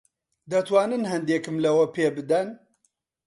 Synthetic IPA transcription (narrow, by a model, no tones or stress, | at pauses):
d̪ɐt̪wɑːnɨnhɐnd̪eːkɨmlɐwɐpʰeːbɨd̪ɐn